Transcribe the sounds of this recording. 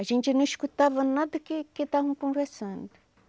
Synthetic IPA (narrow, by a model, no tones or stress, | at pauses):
aʒẽnt͡ʃ̪ɪnɐ̃iʃkut̪avɐnad̪ɐkeket̪aɦũkõvɛɾsɐ̃nd̪ʊ